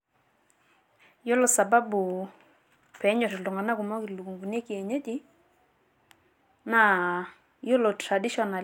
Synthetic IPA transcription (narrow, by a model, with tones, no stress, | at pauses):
jo˦lo˨sa˨ba˦bu˨ | pɛ˨˦ɲɔ˨tɪ˨lu˨ŋa˨na˦ku˨mɔ˦ki˨lu˨ku˨ŋɡu˨ne˦ki˨e˨ɲe˦ti˦ | na˨ | jo˦lo˨tɾa˨di˦ʃɔ˨na˨l